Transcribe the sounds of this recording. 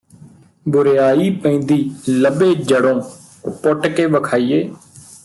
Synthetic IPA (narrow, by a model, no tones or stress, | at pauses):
bʊɾeːaːiːpə̃ĩːnd̪iːləbeːd͡ʒəɽõː | pʊʈkeːʋəkʰaːiːeː